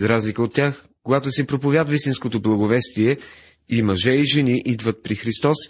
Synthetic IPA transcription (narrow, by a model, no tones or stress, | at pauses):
zɾazlikəot̪ːʲjax | koɡat̪osɛpɾopovʲjad̪əvist̪inskot̪oblˠɐɡovɛst̪iɛ | imɐʒɛiʒɛniʔid̪vət̪̚pɾixɾist̪ɔs